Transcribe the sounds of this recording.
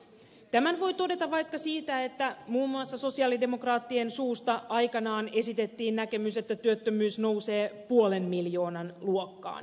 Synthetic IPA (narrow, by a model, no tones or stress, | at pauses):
t̪æmænʋo̞jt̪o̞de̞t̪ɑʋɑjkːɑsiːt̪æe̞t̪ːæmuːmːuɑsːɑso̞siɑːlide̞mo̞krɑːt̪ːiensuːst̪ɑʔɑjkɑnɑːne̞sit̪e̞t̪ːiːnnæke̞myse̞t̪ːæt̪yøt̪ːømyːsno̞wse̞ːpuole̞nmiljo̞ːnɑnluokːɑ̰ːn